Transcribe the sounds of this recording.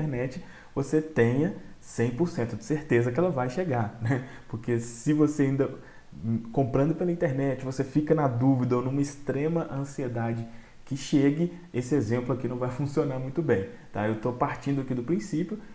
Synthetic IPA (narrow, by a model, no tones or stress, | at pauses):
t̪eɾnɛt͡ʃɪ | voset̪ẽjɐ | sẽj̃poɾsẽnt̪ʊd͡ʒɪ̥seɾt̪ezɐkɪɛlɐvajʃeɡaɾnɛ | poɾkesɪvoseaĩnd̪ɐ | kõmpɾɐ̃d̪ʊpelɐĩt̪eɾnɛt͡ʃɪvosefikɐnɐd̪uvid̪ɐonũmɐɪst̪ɾẽmɐʔɐ̃sied̪ad͡ʒɪ | kɪʃeɡɪ | esɪezẽmplʊakinɐ̃w̃vajfũsionaɾmũj̃t̪ʊbẽj̃ | t̪aewt̪opaɾt͡ʃĩnd̪ʊakid̪ʊpɾĩsipjʊ